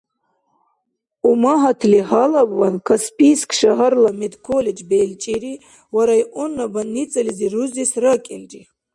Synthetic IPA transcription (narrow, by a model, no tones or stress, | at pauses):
umaɦat̪ʰliɦalabwankʰaspʰʼiskʰʃaɦɐɾlamed̪kʰoled͡ʒbelt͡ʃʼiɾi | waɾajʔɔnːabanːit͡sʼɐliziɾuzisrakʼɛld͡ʒi